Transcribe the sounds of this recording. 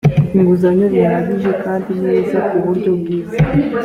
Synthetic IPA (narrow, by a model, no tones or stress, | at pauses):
iŋɡuzaɲoβinaɡiʒe̞kaːndineːzakuβuɾɟo̞bwiːza